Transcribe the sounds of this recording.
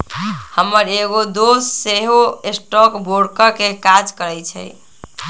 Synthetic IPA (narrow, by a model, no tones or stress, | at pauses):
həmːəɾeɡod̪osːeɦoesʈɔkboɽkəɾkekad͡ʒkəɾɛjt͡ʃʰɛ̰j